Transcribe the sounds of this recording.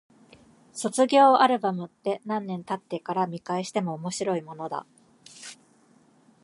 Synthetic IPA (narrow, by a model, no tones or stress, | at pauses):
so̞t͡sɨɡʲo̞ːaɾɯ̟bamɯ̟t̪ːe̞nãnːẽ̞nt̪at̪ːe̞kaɾamʲikaeɕi̥t̪e̞mo̞ːmo̞ɕiɾo̞imo̞no̞d̪a̰